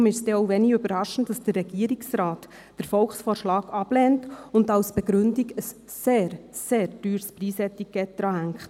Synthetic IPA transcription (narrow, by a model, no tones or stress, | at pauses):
mɪʃsd̥ɛɔʊʋɛniøbəɾɑʃən̩td̥ɑsd̥ərːɛɡ̥iəɾiksɾɑːt | d̥əɾfɔlχsfɔːɾʃlɑːɡɑb̥lɛːntʊndɑwsb̥ɛɡɾʏndiɡəsː | eːɾseːɾdyːɾspriːsɛtikːɛt̚d̪̥ɾɑːɦæŋkχt